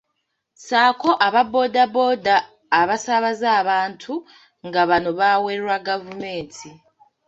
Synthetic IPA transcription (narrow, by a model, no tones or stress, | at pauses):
saːko̞ʔaβabo̞ːdabo̞ːdaː | βasaβazaːβaːntʰu | ŋɡaβano̞βaːweɾɾwaɡavume̞ːntʰi